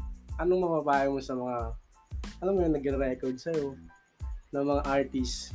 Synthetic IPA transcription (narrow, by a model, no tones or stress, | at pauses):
ʔɐnoŋmɐpapaːjɐmosɐmɐŋa | ʔɐlamːojʊŋnɐɡɪnɾɛkoɹd̪̚sɐjo̞ | nɐŋmɐŋaʔaɹt̪is